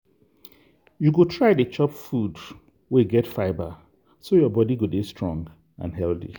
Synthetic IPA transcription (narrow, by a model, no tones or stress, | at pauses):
juɡotʰɹaɪdət͡ʃɔpfud | weɡɛtfaɪba | sojɔbɔdiɡodestɹɔ̃ŋɡ | ã̰nɦɛlθḭ